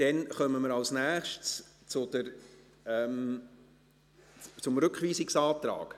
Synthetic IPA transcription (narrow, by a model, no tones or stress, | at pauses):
d̥ɛnχœməməɾɑlsnæːχʃts | t͡sʊd̪əɾ | ɛm | t͡sʊmɾɵkχʋiːsɪksɑːt̪ɾɑ̰ːɡ̥